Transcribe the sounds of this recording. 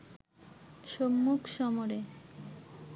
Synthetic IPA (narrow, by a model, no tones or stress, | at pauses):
ʃomːukʃɔmoɾe